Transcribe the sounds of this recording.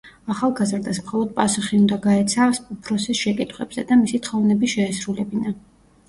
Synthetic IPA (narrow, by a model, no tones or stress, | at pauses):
aχalˠɡazɾd̪asmχɔlˠɔd̪̚pʼasuχiund̪aɡaɛt̪sʰasupʰɾɔsisʃɛkʼit̪ʰχwɛbz̥ɛd̪amisit̪ʰχɔvnɛbiʃɛːsɾulɛbina